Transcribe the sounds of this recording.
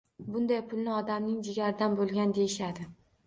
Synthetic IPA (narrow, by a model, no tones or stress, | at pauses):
bʊnd̪ajpʰʊlˠnɪɒd̪amnɪŋd͡ʒɪɡʲaɾɪd̪anbolˠɡʲand̪ejɪʃad̪ɪ